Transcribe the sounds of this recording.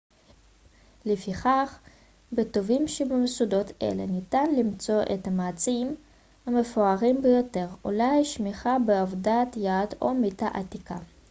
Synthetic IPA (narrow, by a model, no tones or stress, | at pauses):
lefiχaχ | bet̪o̞vimʃebemesud̪o̞t̪ʰḛlenitanlimt͡so̞ʔet̪amaːt͡siim | hamefoaʁimbejote̞ʁṵlajʃmiχabeavdat̪jad̪omit̪aʔat̪ika̰